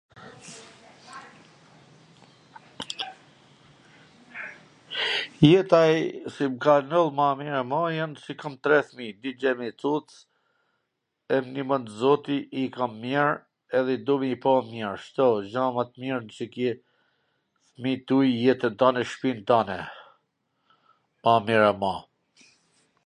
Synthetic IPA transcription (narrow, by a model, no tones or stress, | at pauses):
jɛt̪ajsimkanɔlˠmamiɾɛmɔjansikamt̪ɾɛθmid̪id͡ʑɛmit͡s̪ut̪t͡s | ɛmnimənd̪zɔt̪iʔikamːjɛɹ | ɛðɛd̪umipɔmːjɛɾʃt̪ɔd͡ʒamat̪miɾnt͡ʃəkɛ | θmit̪ujjɛt̪ənt̪anɛʃpint̪anɛ | mamiɹɛma